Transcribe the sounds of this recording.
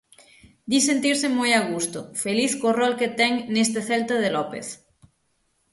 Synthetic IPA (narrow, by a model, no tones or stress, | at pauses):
d̪isent̪iɾsemojaɣ̞ust̪ofeliθkorɔlket̪ɛŋnest̪eθɛlt̪aðelɔpḛθ